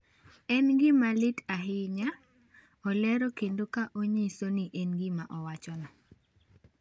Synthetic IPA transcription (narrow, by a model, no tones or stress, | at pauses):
ɛnɡɪmalɪtaɦɪɲa | ɔlɛɾɔkendokaʔoɲesoniʔenɡimaʔɔwat͡ʃɔnɔ